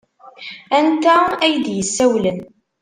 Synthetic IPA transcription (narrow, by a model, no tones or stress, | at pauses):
ænt̪ææjd̪jəsːæwlən